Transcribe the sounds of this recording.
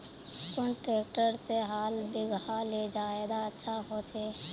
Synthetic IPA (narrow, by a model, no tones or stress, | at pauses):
kʊnʈɾeːk̚ʈəɾseɦaːlbɪɡʱaled͡ʒaːed̪aətːʃʰaɦot͡ʃe